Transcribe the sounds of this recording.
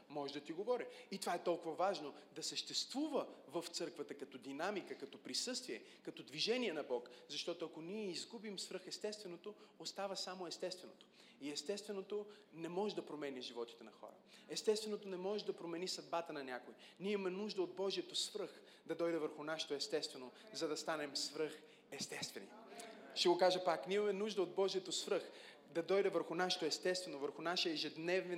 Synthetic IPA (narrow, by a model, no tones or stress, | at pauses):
mɔʒd̪ɐt̪iɡovɔɾiit̪ovaɛt̪ɔlˠkʊvɐvaʒnod̪ɐsəʃt̪ɛst̪vuvəvəft̪sɤɾkvət̪əkɐt̪ɔd̪inamikəkɐt̪ɔpɾisɤst̪viɛkɐt̪ɔd̪viʒɛnʲiɛnɐbɔkzɐʃt̪ɔt̪oɐkoniɛizɡubimsvɾɤxɛst̪ɛst̪vɛnot̪oost̪avəsamoɛst̪ɛst̪vɛno̰t̪o̥ | iɛst̪ɛst̪vɛnot̪o | nɛmɔʒɛd̪ɐpɾomɛnʲiʒivɔt̪i̥t̪ɛnɐxɔ̰ɾə̰ɛst̪ɛst̪vɛnot̪onɛmɔʒɛd̪ɐpɾomɛnisɐd̪bat̪ənɐnʲakojinimɐmɛnuʒd̪əod̪̚bɔʒijət̪osvɾɤx | d̪ɐd̪ɔjd̪ɛvəɾxʊnaʃɛ̥t̪oɛst̪ɛst̪vɛno | zɐd̪ɐst̪anɛmsvɾɤx | ɛst̪ɛst̪vɛ̰nḭ | ʃt̪ɛɡokaʒəpaknimɐmɛnuʒd̪əod̪̚bɔʒijət̪osvɾɤx | d̪ɐd̪ɔjd̪ɛvəɾxʊnaʃɛ̥t̪oɛst̪ɛst̪vɛnovəɾxʊnaʃɛəɛʒɛd̪nɛv